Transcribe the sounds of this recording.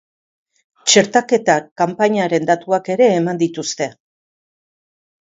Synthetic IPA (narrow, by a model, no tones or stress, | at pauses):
t͡ʃe̞ɾt̪ake̞t̪akampaɲaɾe̞nd̪at̪uake̞ɾe̞ːmand̪it̪ust̪e̞